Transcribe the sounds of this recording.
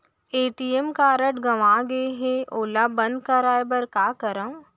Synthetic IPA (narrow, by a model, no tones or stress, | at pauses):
eːʈiːemkaːɾəʈɡɐʋaːɡəeɦẽʔoːlabɐ̃nd̪̚kɐɾaːebɐɾkaːkɐɾəm